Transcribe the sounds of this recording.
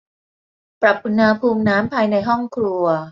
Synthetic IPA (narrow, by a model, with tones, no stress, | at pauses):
pɾa˨˩p̚ʔu˧nha˧pʰuː˧mnaː˦˥mpʰaː˧jna˧jɦɔ˥˩ŋkʰɾu˧ɐ